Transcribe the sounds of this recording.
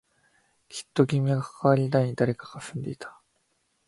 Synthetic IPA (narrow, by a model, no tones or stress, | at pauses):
kʲʰi̥t̪ːo̞ɡʲimʲiɡakḁkaβaɾʲinaiɲ̟id̪aɾe̞kaɡ̥afɯ̟̃nd̪e̞it̪ʰḁ